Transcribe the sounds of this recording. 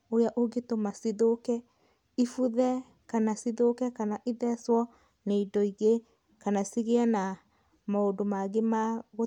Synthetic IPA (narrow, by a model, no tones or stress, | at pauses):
ojaʔoɡetomasiðokɛ | ifuðɛ | kanasiðokɛkanaʔiðɛswɔ | neidɔiɣe | kanasiɣeana | maodomaɣemaɣo